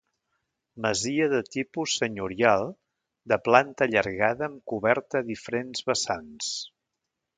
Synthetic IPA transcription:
məziəðət̪ipusːəɲuɾialˠ | d̪əplant̪əʎəɾɣaðəːmkuβɛɾt̪əðifəɾenzβəsans

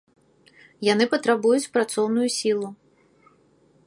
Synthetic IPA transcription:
janɨpɐt̪ɾabujut͡sʲpɾat̪sɔwnʊjusʲilˠu

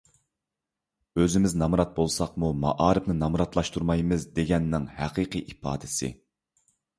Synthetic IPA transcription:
øzɪmɪznɑmɾɑt̪̚bolˠsɑqmumɑʔɑːɾɨpnɪnɑmɾɑt̪lˠɑʃt̪ʰuɾmɑjmɨzd̪eɡʲɛnːɪŋhæqʰiːqʰɨʔipɑ̰ːd̪ɪsɪ̰

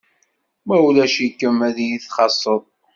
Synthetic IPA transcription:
mæulæʃikːəmæðjiθχɑsˤːəðˤ

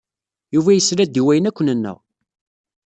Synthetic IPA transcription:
juvæjəsɾæd̪iwæjənækʷːənənːə̰ʁ

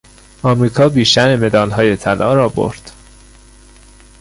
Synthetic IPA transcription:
ɒːmɾiːkʰɒːbiːʃt̪æɾeme̞d̪ɒːlɦɒːje̞t̪ʰælʔɒ̰ːɾɒːbo̰ɾd̪̥

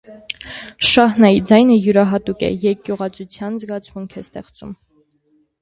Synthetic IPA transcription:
ʃɑɦnɑjid͡zɑjnəjuɾɑɦɑt̪ukɛ̰jɛkjuʁɑt͡sʰut͡sʰjɑnzɡɑt͡sʰmuŋkʰɛst̪ɛχt͡sṵm

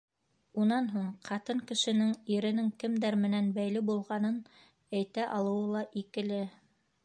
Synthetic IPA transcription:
unɑnɦuɴqʰɑt̪ɤŋkɘ̆ʃɘ̆nɘŋiɾɘ̆nɘŋkɘmd̪æɾmɘ̆nænbæjlɘbulˠʁɑnɤn | æjt̪æʔɑlˠɤ̆wɤlˠɑʔikɘ̆lɘ

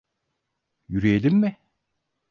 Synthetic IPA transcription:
jyɾijelʲimːɪ

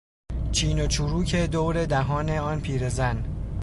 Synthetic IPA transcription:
t͡ʃʰiːnot͡ʃʰuɾuːcʰe̞d̪oːwɾed̪æɦɒːne̞ɒːnpʰiːɾezæn

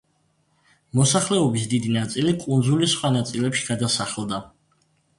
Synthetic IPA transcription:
mɔsaχlɛɔbis̬d̪id̪inat̪sʼilikʼund̪zulisχwanat̪sʼilɛpʃi̥ɡad̪asaχɛlˠd̪a

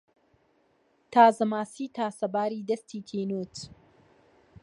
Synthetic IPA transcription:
t̪ʰaːzɨmaːsiːt̪ʰaːsɐbaːɾiːd̪ɐst̪ʰiːt̪ʰiːnuːt

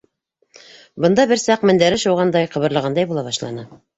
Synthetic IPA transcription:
bɤ̆nd̪ɑbɘ̆ɾsɑqmɘ̆nd̪æɾɘʃuwʁɑnd̪ɑjqɤ̆βɤ̆ɾlˠɤ̆ʁɑnd̪ɑjbulˠɑβɑʃlˠɑ̰nɤ

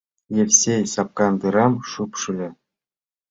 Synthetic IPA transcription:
jefsʲejsɑp̚kɑnd̪ɯɾɑmʃupʃylʲɘ

